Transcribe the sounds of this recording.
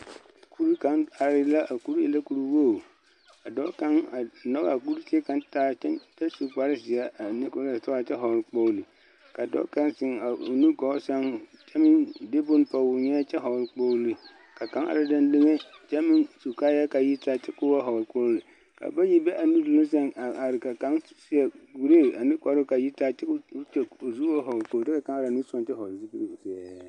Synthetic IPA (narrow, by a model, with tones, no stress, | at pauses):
a˨kʰu˦ɾu˦ka˨˦na˨ɾɪ˦la˦ʔa˨ku˦ɾɪ̰˨la˦ku˦ɾu˦woː˦˨ | a˨dɔ˦ka˦ŋa˨nɔ˦ɣa˨a˨ku˦ɾsɪ˦ɛ˦ka˦ntaː˦t͡ʃɛ˦nta˦su˨k͡pa˨ɾɪ˦sɪ˨a˦a˨ni˦ko˦a˨ta˦a˨t͡ʃɛ˦ɦɔ˨ɾk͡po˦li˨ | ka˨dɔ̰˦ka˦nsɪ˨˦ŋa˨o̰˨nu˦ɡɔ˨˦sa˦ŋ | t͡ʃɛ˦mɪ˦nde˦bʊ˦n˦pa˨wʊ˨ɲɛ˦t͡ʃɛ˦ɦɔ˨lk͡po˦li˨ | ka˨ka˨˦ŋa̰˨ɾa˨da˦ndɪ˦ŋe˦t͡ʃɛ˦mɪ˦nsu˨kaː˦ja˦ka˨ji˦taː˦t͡ʃɪ˦kʊ˦wa˦ɦɔ˨ko˦ɾlɨ˨ | ka̰˨ba˦ji˦bɛ˦ʔa˨nu˦du˨lʊ˦s̬a˦ŋa˨a˨ɾɪ˨ka˨ka˨˦ŋ˦si˦ɛ˨ɡu˨ɾe˦˨a˨nɪ˦kɔ˨ɾʊ˦ka˨ji˦ta˦t͡ʃɪ˦kʊ˦t͡ʃɛ˦o˨zu˦wa˦ɦɔ˨lko˦ldɛ˦ka˨ka˦ŋa˨ɾnu˦sɔ˦nt͡ʃɛ˦hɔ˨si˦pi˦e˨sɛ˨ɛ˨˦˨